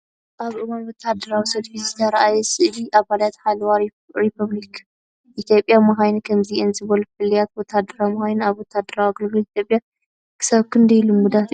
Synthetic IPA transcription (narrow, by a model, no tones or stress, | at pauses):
ʔaβʔɨwanwɔt̪ʰad̪ːɐɾawisɐd̪fizɨt̪ʰɐɾɐʔajɛsɨʔliʔaβalat̪ħalwa | ɾipʰɐβlik | ʔit̪ʰjo̞pʼjamɨxajnɨkʰɐmziʔɨnzɨβɐlufɨlːijat̪wɔt̪ʰad̪ɐɾamɐxajnaβwɔt̪ʰad̪ːɐɾawiɡɨlɡɨlit̪ʰjo̞pʼja | kʰɨ̥saβkʰɨnd̪ɐjlumːud̪at̪